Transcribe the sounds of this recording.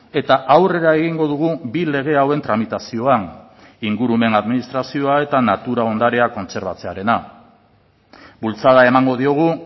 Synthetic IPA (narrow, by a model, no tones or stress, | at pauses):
e̞t̪aʔawre̞ɾae̞ɣiŋɡo̞ðuɣ̞ubile̞ɣ̞e̞awe̞nt̪ɾamit̪asio̞an | iŋɡuɾume̞naðminist̪ɾasio̞ae̞t̪anat̪uɾao̞nd̪aɾe̞ako̞nt͡se̞ɾβat͡se̞aɾe̞na | bult͡saðae̞maŋɡo̞ð̞io̞ɣ̞u